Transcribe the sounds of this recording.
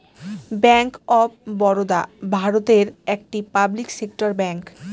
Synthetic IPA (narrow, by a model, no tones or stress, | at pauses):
bɛŋkɔb̚bɔɾod̪abʱaɾot̪eɾek̚ʈipabliksek̚ʈoɾbɛŋk